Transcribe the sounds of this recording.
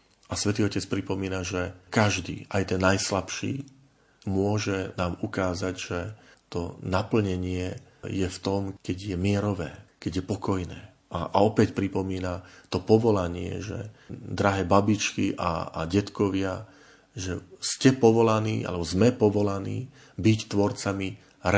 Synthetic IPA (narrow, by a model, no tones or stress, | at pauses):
ʔasʋɛt̪iːɔcɛt͡spɾipɔmiːnaʒɛkaʒd̪ḭːʔajt̪ɛnːajslapʃḭː | mʊɔʒɛnaːmukaːzaɟʒɛt̪ɔnapl̩ɲɛɲɪɛjɛft̪ɔmkɛɟjɛmɪɛɾɔʋɛːkɛɟjɛpɔkɔjnɛ̰ː | ʔaʔɔpɛcpɾipɔmiːnat̪ɔpɔʋɔlaɲɪɛ̰ʒɛ̰d̪ɾaɦɛːbabit͡ʃkiʔa̰ɟɛt̪kɔʋɪa | ʒɛscɛpɔʋɔlaniːʔa̰lɛbɔzmɛpɔʋɔlaniː | bict̪ʋɔɾt͡sami | ɾ